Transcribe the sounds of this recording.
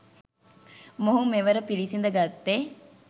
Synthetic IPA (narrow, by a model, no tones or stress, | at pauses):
moɦumeʋəɾəpilisind̪əɡat̪ːe